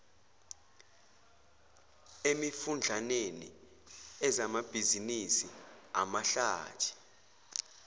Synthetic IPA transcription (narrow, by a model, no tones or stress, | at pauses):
emifund͡ɮʱanenḭ | ɛzamab̥ʱizinisia̰maɬa̰ːtʰi̥